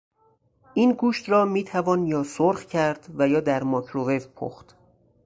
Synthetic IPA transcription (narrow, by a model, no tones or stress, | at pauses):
ʔiːnɡuːʃt̪rɒːmiːt̪ʰævɒːnjɒːsoɾxcʰæɾd̪̥væjɒːd̪æɾmɒːcʰɾovevpʰo̰xt̪